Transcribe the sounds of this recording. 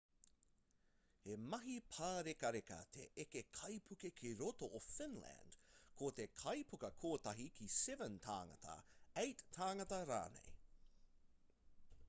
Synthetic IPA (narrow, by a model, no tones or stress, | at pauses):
hemɐɦipʰaːɾekɐɾekɐ̰t̪ʰḛʔekekʰɐjpʰukekʰiɾotoʔofɪnlæ̰nd̥kʰot̪e̞kʰɐjpukɐkʰoːt̪ɐɦikʰisɛvənt̪ʰa̰ːŋɐ̰tɐ̰ejtʰːaːŋɐtɐɾa̰ːnḛj